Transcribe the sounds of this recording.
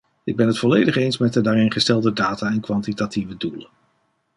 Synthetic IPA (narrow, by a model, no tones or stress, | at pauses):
ɪɡ̚bɛnɦətfɔlejdəχejnsmɛt̚dədaːrɪnχəstɛlˠdədaːtaːɛnkʋɑntitativədulə